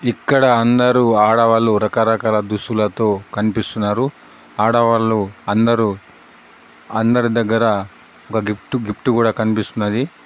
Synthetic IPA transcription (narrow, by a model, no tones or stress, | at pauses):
ikːɐɽɐːnd̪ɐɾuaːɽɐʋaːluɾɐkaːɾɐkaːlɐd̪usulɐt̪o̞ːkɐnipist̪unːaːɾu | aːɽɐʋaːluɐnd̪ɐɾu | ɐnd̪ɐɾid̪ɐɡːɐɾɐ | ɔkɐɡip̚ʈuɡipʰʈukuːɽaːkɐnipist̪unːɐd̪i